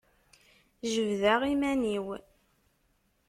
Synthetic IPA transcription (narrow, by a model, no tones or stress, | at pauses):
ʒəvðaʁimæniw